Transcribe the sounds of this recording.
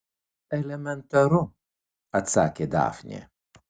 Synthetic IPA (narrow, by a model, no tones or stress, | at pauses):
ɛlʲɛmʲɛnt̪ɐɾʊ | ɐt̪sakʲed̪a̰ːfnʲḛ